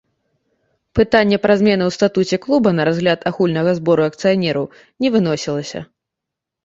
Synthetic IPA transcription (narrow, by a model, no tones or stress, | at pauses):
pɨt̪anʲːɛpɾɐzʲmʲɛnɨwst̪at̪ut͡sʲɛklˠubɐnɐɾazɣlʲat̪ʰaxulʲnɐɣɐzbɔɾuɐk̚t̪sɨjanʲɛɾɐw | nʲɛvɨnɔsʲilˠɐsʲɐ̰